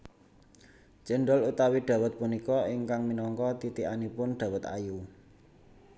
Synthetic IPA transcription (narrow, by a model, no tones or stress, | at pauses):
t͡ʃəɳɖɔlut̪awiɖ̪̥ä̤wət̪̚punikɔɪŋkaŋminɔŋkɔt̪it̪ianipʊnɖ̪̥a̤wət̪a̰ju